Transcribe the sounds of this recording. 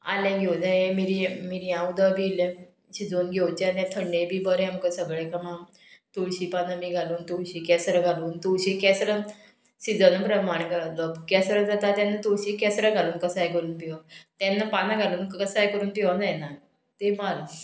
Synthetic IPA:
a̰ljãɡʱewd͡zajemiɾimiɾijãud̪əbile | ɕid͡zoːnɡʱewt͡ɕanɛt̪ʰəɳːẽbʱiːbəɾeamkəsəɡɭekamã | t̪uɭɕiːpanamiːɡʱaluːnt̪uɕiːkɛsɾəɡʱaluːnt̪uɕikɛsɾə | ɕid͡zənəpɾəmaɳ̃kəɭaləkɛsɾəd͡zat̪at̪janːat̪uɭɕiːkɛsɾəɡʱaluːnkəsajkəɾuːnpiʋat̪janːapanaɡʱaluːnkkəsajkəɾuːnpiʋad͡zajna | t̪emala

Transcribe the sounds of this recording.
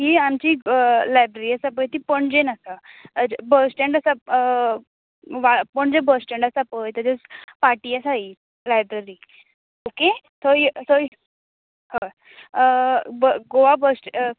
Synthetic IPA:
ɦiamt͡ɕilajbɾeɾiːasap̬əjt̪ipəɳd͡ʑenasa | bəɾsʈeɳɖasa | ʋapəɳd͡zebəɾsʈeɳɖasapəjt̪əd͡zespaʈiːasai | lajbɾeɾiː | oke | t̪ojt̪o | hə | bəɡoʋabəsʈ

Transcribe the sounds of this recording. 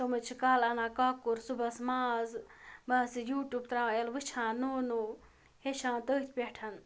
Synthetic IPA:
somɨt͡ʃʰikaːlɐnãːkaːkuɾsubɐsmaːzbɐɦsijuːʈjuːb̚t̪ɾãːelʋɨt͡ʃʰãːnoːnu | heʃʰãːt̪əːt̪ʲʰpʲeʈʰɐn

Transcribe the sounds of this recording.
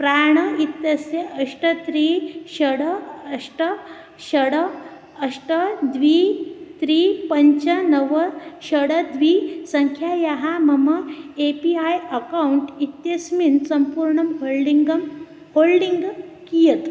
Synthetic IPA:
pɾaɳ̃əit̪jəseəʂʈət̪ɾiɕəɽəəʂʈə | ɕəɽə | əʂʈəd̪ʋit̪ɾiːpəɲt͡ɕənəʋəɕəɽəd̪ʋisəŋkʰjajaɦaməməepiajəkauɳʈit̪jəsminsəmpuːɾɳəmɦolɖiŋɡəm | holɖiŋɡkijət̪

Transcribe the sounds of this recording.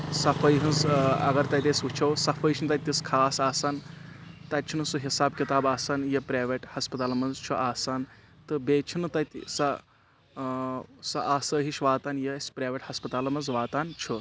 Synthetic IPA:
sɐfʰɐjɦɐnzɐ̰ɡɐɾt̪ɐt̪esut͡ʃʰɐwsɐfʰəjʃʰinɨt̪ɐt̪ːiskʰaːsaːsaːnt̪ɐt̪̚ʲt͡ʃʰunɨsuɦisaːb̚kit̪aːbaːsaːnjɐpɾaːʋeʈhɐspɐt̪aːlɐmɐnzt͡ʃʰuʔaːsaːnt̪ɨbeːt͡ʃʰunɨt̪ɐt̪ʲsɐ | sɐʔaːsəːɦiʃʋaːt̪aːnjɐɐsʲpɾaːjʋeʈhɐspɐt̪aːlɐmɐnzʋaːt̪aːnt͡ʃʰu

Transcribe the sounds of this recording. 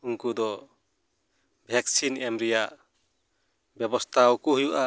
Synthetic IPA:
uŋkud̪ɔ | bʱɛk̚sinɛmɾijaʔ | bjɛbɔst̪ʰawɔkuɦujuʔa

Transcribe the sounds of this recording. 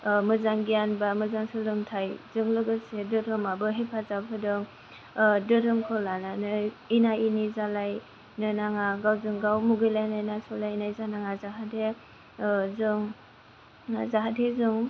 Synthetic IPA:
mɯzaŋɡijanbamɯzaŋsɯlɯŋtʰajzɯŋlɯɡɯsedɯdɯmabɯɦepʰazapʰɯdɯŋ | dɯdɯmkʰɔlananɯ | inainizalaj | nɯnaŋaɡawzɯŋɡawmuɡɯjlajnajnasɔlajinajzanaŋazaɦade | zɯŋ | zaɦadezɯŋ

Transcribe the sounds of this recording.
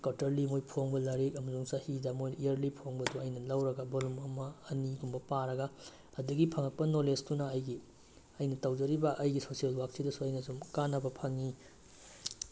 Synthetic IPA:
katɐɾlimojpʰoŋbɐlɐɾik̚ɐmɐzuŋsahidamojnijɐɾlipʰoŋbɐduɐjnɐlɐwɾɐɡɐbolumɐmɐːniɡumbɐpaɾɐɡɐ | ɐduɡipʰɐŋɐk̚pɐnolestunɐːjɡi | ɐjnɐtɐwd͡ʒɐɾibɐʔɐjɡisosielwak̚sidɐsuɐjnɐzumkanɐbɐpʰɐŋi

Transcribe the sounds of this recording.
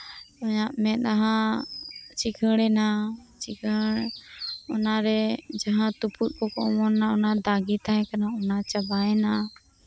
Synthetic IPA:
ɔjaʔmɛ̃ɗ̪aɦã | t͡ʃikʰəɽɛnat͡ʃikʰəɽ | ɔnaɾɛd͡ʒaɦãt̪uput̪̚kɔkɔɔmɔnːaɔnad̪aɡit̪aɦɛ̃kanaɔnat͡ʃabaɛna

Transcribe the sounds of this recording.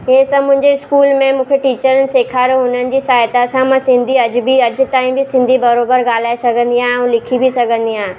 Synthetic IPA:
ɦeːsɐ̃mʊ̃ɦɪ̃ɲd͡ʑeɪskuːlmẽmũːkʰeʈiːt͡ɕəɾənɪ̆seːkʰaːɾoɦʊn̤ənɪ̆d͡ʑiːsaːjt̪asãmɐ̃sɪ̃nd̪ʱiɐd͡ʑbʱiɐd͡ʑt̪aːĩbʱisɪ̃nd̪ʱibɐɾoːbəɾɡaːl̤aːesɐɡʱə̃nd̪iãũlɪkʰibʱisɐɡʱə̃nd̪iãː

